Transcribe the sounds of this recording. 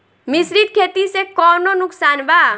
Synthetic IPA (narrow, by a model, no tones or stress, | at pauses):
mɪsɾid̪̚kʰeːt̪isekɔːnonʊksaːnbaː